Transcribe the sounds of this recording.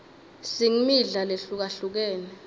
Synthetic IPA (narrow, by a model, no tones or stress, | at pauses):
siŋimiɮaleɬuk̬aɬuk̬ɛːnɛ